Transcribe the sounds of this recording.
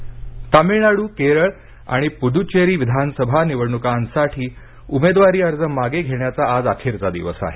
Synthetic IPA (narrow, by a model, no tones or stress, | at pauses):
t̪amiɳaɽuːkeɾəɭ | a̰ɽ̃ipud̪ʱut͡ɕeɾiːʋid̪ʱansəbʱaniʋəɽɳukansaʈʰiː | umed̪ʋaɾiːəɾd͡zənmaɡeɡʱeɳjat͡saːd͡zakʰiɾt͡sad̪ḭʋəsa̰ɦe